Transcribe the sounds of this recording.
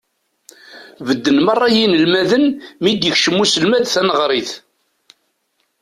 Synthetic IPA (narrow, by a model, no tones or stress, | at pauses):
vəd̪ːənmɑrˤːɑjinəlmæðənmid̪jəçʃəmːusəlmæd̪θænəʁɾˤiθ